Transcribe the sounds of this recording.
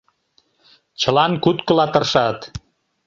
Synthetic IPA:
t͡ɕə̆lɑnkut̪kə̆lɑt̪ə̆rʃɑt̪

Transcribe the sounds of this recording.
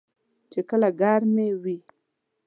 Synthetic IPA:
t͡ʃekəlaɡaɾmewi

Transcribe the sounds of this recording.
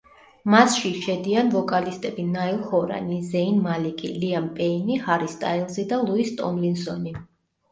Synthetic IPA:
masʃiʃɛd̪ianvɔkʼalist̪ʼɛbinailˠχɔɾa̰nizɛinmalikʼiliampʼɛinihaɾist̪ʼailˠzid̪alˠuist̪ʼɔ̰mlinsɔni

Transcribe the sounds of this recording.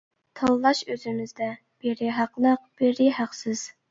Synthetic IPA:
t̪ʰɑlˠlˠɑʃøzɪmɪzd̪ɛ | b̥eɾɪɦæqlˠəq̚b̥eɾɪhæqsɪz̥

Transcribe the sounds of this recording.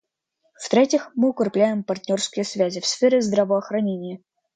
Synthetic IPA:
ft̪ɾʲetʲɪxmɨʊkɪrplʲæjɪmpɐrt̪ʲnʲorskʲɪjəsvʲæzʲɪfsfʲeɾʲɪzd̪ɾɐvəɐxɾɐnʲenʲɪjə

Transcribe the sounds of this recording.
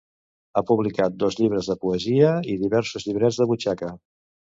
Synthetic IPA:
apuβlikat̪̚d̪ɔzʎiβɾəzðəpuəziəiðiβɛɾsuzʎiβɾɛd͡zðəβut͡ʃakə

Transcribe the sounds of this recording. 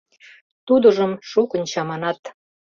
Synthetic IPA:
t̪ud̪ə̆ʒəmʃukə̆nt͡ɕɑmɑnɑt̪

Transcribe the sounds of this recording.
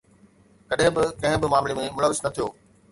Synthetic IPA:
kɐɗɦɪ̃bɪkɐ̃ɦɪ̃bɪmaːmlemẽmʊləʋːɪsnɐt̪ʰijoː

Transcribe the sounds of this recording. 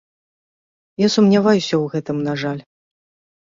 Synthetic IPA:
jasumnʲavajusʲɐwɣɛt̪ɨmnaʐalʲ

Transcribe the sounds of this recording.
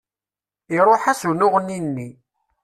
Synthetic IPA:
iɾˤoħæsunʊʁnːinːi

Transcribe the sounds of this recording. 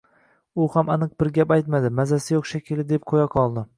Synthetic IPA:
ʊhamanɨq̚bɪɾɡʲapajt̪mad̪ɪmazasɪjoχʃakʲʰɪlɪd̪ep̚qʰojaqʰɒlˠd̪ɪ

